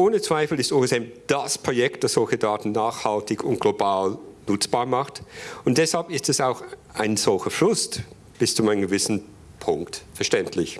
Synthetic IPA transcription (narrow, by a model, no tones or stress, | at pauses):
ʔoːnət͡sv̥aɪfl̩ɪstoːɛsɛmd̥aspʁ̥ojɛk̚t̚d̥asz̥ɔlçədaːtn̩naːxhaltɪçʊntɡ̥lobaːlnʊt͡sb̥aːmaχtʊntd̥ɛshalpɪstɛsaʊxaɪnz̥ɔlçəflʊst | b̥ɪst͡sʊmaɪnənɡəvɪsn̩ | pʰʊŋktfɛɐʃtɛntʰlɪç